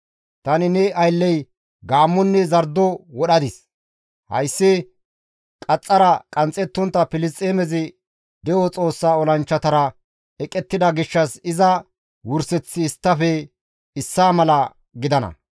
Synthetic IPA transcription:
t̪ɐnɪnɛɐjlːɛj | ɡaːmːɔnːɛzɐɾd̪ɔwɔɗɐd̪ɪs | hɐ̰jsːɪ | kʼɐt͡sʼːɐɾɐkʼɐnt͡sʼɛt̪ːɔnt̪ːɐpɪlɪst̪ʼeːmɛzɪ | d̪ɛʔɔt͡sʼo̞ːsːaːɔlɐnt͡ʃːɐt̪ɐɾɐ | ɛkʼɛt̪ːɪd̪ɐɡɪʃːɐsɪzɐ | wʊɾsɛt͡sːɪːst̪ːɐfɛ | ɪsːaːmɐlɐ | ɡɪd̪ɐnɐ̰

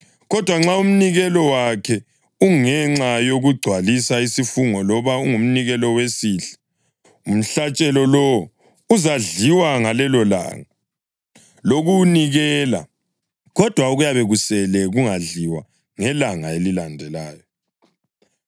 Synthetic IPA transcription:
ɣɔd̥ʱwaŋ͡ǁaum̩niɣɛlɔwakʰɛ | uŋɛŋ͡ǁajoɣuɡ͡ǀʱwalisaisifuŋɔlɔβauŋum̩niɣɛlɔwesiːɬɛ̥ | um̩ɬat͡ʃʼɛlɔlɔ | uzaɮiwaŋalɛlɔla̰ŋa | loɣuniɣɛla̰ | ɣɔd̥ʱwauɣujaβɛɣusɛlɛɣuŋaɮiwa | ŋɛlaŋaelilandʱɛlaːjɔ

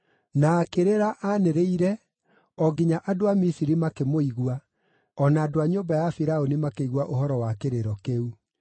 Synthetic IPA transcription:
naːkeɾeɾaʔaneɾeiɾɛ | ɔɡiɲaʔadoamisiɾimakemoiɣwa | ɔnaːdoaɲombajafiɾaonimakeiɣwaʔoɦɔɾɔwakeɾeɾɔkeu

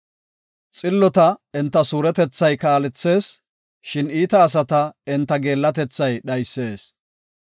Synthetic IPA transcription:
t͡sʼɪlːɔt̪ɐɪnt̪ːɐsuːɾɛt̪ɛt͡sːɐjkaːlɛt͡sːe̞ːs | ʃɪniːt̪ɐːs̬ɐt̪ɐɪnt̪ːɐɡe̞ːlːɐt̪ɛt͡sːɐjɗɐjsːe̞ːs

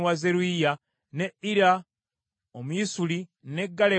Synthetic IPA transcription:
wazeɾuija | neiɾa | omwisuline̞ɡːale

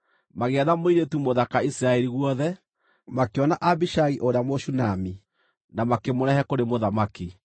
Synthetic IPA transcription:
maɣeɛðamoiɾetumoðakaisiɾaɛɾiɣuɔðɛ | makeɔnaʔabiʃaɣiʔoɾamoʃunami | namakemoɾɛhɛkoɾemoðamaki

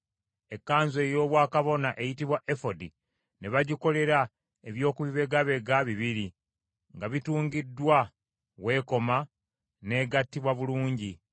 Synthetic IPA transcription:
e̞kːaːɲze̞ːjo̞ːβwaːkaβo̞naʔe̞jitiβwaʔefo̞di | ne̞βaɟiko̞le̞ɾa | eβjo̞ːkuβiβe̞ɡaβe̞ɡaβiβiɾi | ŋɡaβituːŋɡidːwa | we̞ːko̞ma | ne̞ːɡatːiβwaβuluːɲɟi

